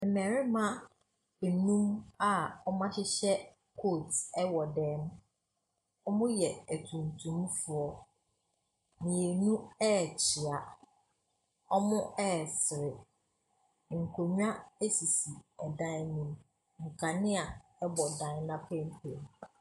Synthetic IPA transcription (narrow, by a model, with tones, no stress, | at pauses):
m̩˨mɛ̃˨ɾɪ˦mã˦ | bɛ˨nũ˦ma˨ɔ˦mã˦ɕɪ˦ɕɛ˦ | kʰo˦˨tɛ˦wɔ˨dɛ̃ː˨˦ñ˦ | ɔ˦mʊ̃˦jɛ˨æ˨tʰũ˨ntʰũ˦mfʊ˨ɔ˨ | nĩ˨e˨nũ˦ɛ˦˨t͡ɕʰi˨a˨ | ɔ˦mʊ̃˦ʔɛː˦˨sɪ˨ɾɪ˨ | ŋ̩˨kʰo˨ɲᶣ˦ã˦e˦si˨si˨ɛ˨dã˦nĩ˨m | ŋ̩˨kʰa˨nɪ̃˦a˨ɛ˦bɔ˨dã˨˦˨nã˦pʰɛ̃˦m˦pʰḛ̃˨m